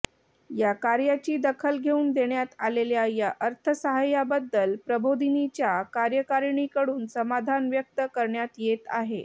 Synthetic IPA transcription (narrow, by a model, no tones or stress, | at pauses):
jakaɾjat͡ɕiːd̪əkʰəlɡʱeuːnd̪eɳjat̪aleljajaʔəɾt̪ʰəsəɦajabəd̪ːəlpɾəbʱod̪init͡ɕjakaɾjəkaɾɳikəɽuːnsəmad̪ʱanʋjək̚t̪əkəɾɳjat̪jet̪a̰ɦe